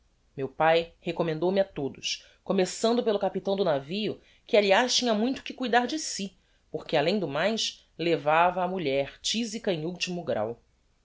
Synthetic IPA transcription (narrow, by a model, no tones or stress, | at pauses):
mewpajhekomẽnd̪owmɪat̪od̪ʊʃ | komesɐ̃nd̪ʊpelʊkapit̪ɐ̃w̃d̪ʊnavijʊ | kɪaliaʃt͡ʃĩɲɐmũj̃t̪ʊ̥kɪkujd̪aɾd͡ʒɪsi | poχkɪalẽj̃d̪ʊmajʃ | levavɐːmuʎɛɾt͡ʃizikɐẽuwt͡ʃimʊɡɾa̰w